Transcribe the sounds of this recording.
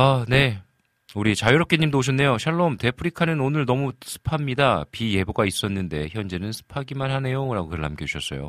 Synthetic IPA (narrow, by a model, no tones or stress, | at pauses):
ane̞ | uɾit͡ɕajoɾʌp̚k͈eɲːimdooɕ̬ʰʌnːe̞joɕʰaɭːomte̞pʰɯɾikʰanɯnonɯɭnʌmusʰɯ̥pʰamɲidapije̞boɡais͈ʌnːɯnde̞çjʌnd͡ʑe̞nɯnsʰɯ̥pʰaɡimanhane̞joɾaɡokɯɾɯɭhamk͈ʌd͡ʑuɕʰʌs͈ʌ̰jo̰